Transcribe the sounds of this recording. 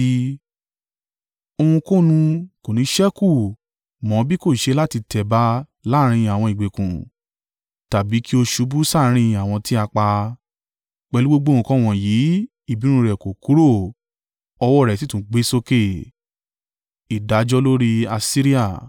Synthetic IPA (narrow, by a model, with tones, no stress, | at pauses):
o˧hũ˧ko˦nũ˧ko˨nĩ˨˦ʃɛ˦ku˦˨ | mɔ̃˨˦bi˦ko˦˨ʃe˧la˦ti˧tɛ˨ba˦ | la˦ɾ̃ĩ˧a˨w̃ɔ̃˧˨i˨ɡ͡be˨kũ˨ | ta˨bi˨˦ki˦o˧ʃu˨˦bu˦sa˦˨˦ɾ̃ĩ˧a˨w̃ɔ̃˧ti˦a˧k͡pa˧ | k͡pɛ˧lu˦ɡ͡bo˦ɡ͡bõ˦˨ũ˧kɔ̃˦w̃ɔ̃˨jiː˨˦ | i˦˨bi˨˦ɾ̃ũ˧ɾɛ˨ko˨ku˨˦ɾo˦˨ | ɔ˧wɔ˦˨ɾɛ˨t̬i˨˦tũ˨˦ɡ͡be˨˦so˧ke˦˨ | i˨da˨˦d͡ʒɔ˦lo˦ɾi˦a˧si˦ɾi˦a˦˨